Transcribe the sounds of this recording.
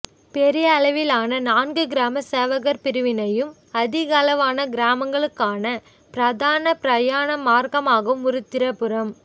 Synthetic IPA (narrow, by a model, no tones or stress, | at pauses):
pɛɾɪjɐːlɐʋɪlaːnɐnaːnɡɯɡɪɾaːmɐseːʋɐɣɐɾpɪɾɯʋɪnɐjɯm | ɐðɪɣɐːlɐʋaːnɐɡɪɾaːmɐŋɡɐɭɯkːaːnɐ | pɪɾɐðaːnɐpɪɾɐjaːnɐmaːɾkɐmaːɣɐʋɯmʊɾɯt̪ːɪɾɐpɯɾɐm